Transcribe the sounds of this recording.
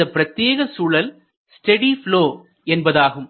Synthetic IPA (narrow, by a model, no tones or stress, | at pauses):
ɐpɪɾɐt̪ːjeːɣɐsuːɭɐl | sʈɛɽifloː | ɛnbɐðaːɣɯm